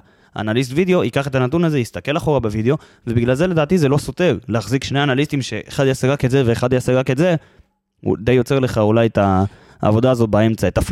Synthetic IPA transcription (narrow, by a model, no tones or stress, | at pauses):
a̰nalis̬tvid̪eo̞ʔikaχe̞t̪anat̪unaze̞jist̪ake̞laχo̞ʁabevid̪eo̞ | ve̞biɡlalzele̞d̪aːt̪izelo̞so̞te̞ʁleaχzikʃneanalistimʃe̞ʔeχad̪jaseʁaketzeveːχad̪jaseʁake̞tze̞ | ṵd̪ejo̞t͡se̞ʁle̞χaulajet̪a | a̰vo̞d̪aːzo̞t̪̚bae̞mt͡saet̪af